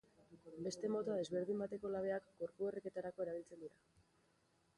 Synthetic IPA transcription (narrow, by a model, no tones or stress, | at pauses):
be̞st̪e̞mo̞t̪oaðe̞zβe̞ɾðimbat̪e̞ko̞laβ̞e̞akɡo̞ɾpuereke̞t̪aɾakoe̞ɾaβ̞ilt͡se̞nd̪iɾa